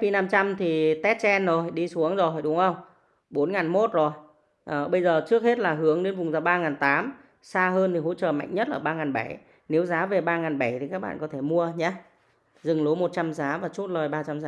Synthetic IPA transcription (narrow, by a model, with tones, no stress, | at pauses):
fi˧˩na˧mt͡ɕa˧mt̪ʰi˨˩t̪ɛ˦˥t̚t͡ɕɛ˧nzo˨˩jɗi˧su˨˦əŋzo˨˩jɗʊ˨˦ŋ͡mʔə˧wŋ͡m | ɓo˨˦nŋaː˨˩nmo˦˥t̚zo˨˩j | ʔəː˨˩ɓə˧jzəː˨˩t͡ɕɨ˦˥ək̚he˦˥t̚laː˨˩ɦɨ˨˦əŋɗe˨˦nvʊ˨˩ŋ͡mzaː˨˧˩wɓaː˧ŋaː˨˩nt̪aː˨˦m | saː˧ɦəː˧nt̪ʰi˨˩ɦo̰˧˥t͡ɕəː˨˩ma̰˧˨jŋ̟ɲə˦˥t̚ʔəː˧˩ɓaː˧ŋaː˨˩nɓa˧˩j | ne˨˦wzaː˨˦ve˨˩ɓaː˧ŋaː˨˩nɓə˧˩jt̪ʰi˨˩kaː˦˥k̚ɓa̰ː˧˨˩kɔ˨˦t̪ʰe˧˩mu˧əɲaː˨˦ | zɨ˨˩ŋlo˨˦mo˨˩t̚t͡ɕa˧mzaː˨˦vaː˨˩t͡ɕu˦˥t̚ləː˨˩jɓaː˧t͡ɕa˧mzaː˨˦